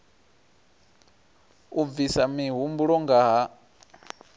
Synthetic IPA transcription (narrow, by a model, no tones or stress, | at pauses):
uvisamiɦumbuɺɔŋɡaɦa